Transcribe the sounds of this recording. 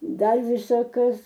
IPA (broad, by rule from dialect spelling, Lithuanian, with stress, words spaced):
ˈdɐr ˈʋʲɪsɐ ˈkɐs